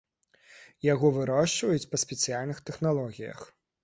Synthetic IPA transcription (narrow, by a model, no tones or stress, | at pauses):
jaɣɔvɨɾɔʂt͡ʂvɐjut͡sʲpɐsʲpʲɛt̪sɨjalʲnɨxt̪ɛxnalˠɔɣʲijɐ̰x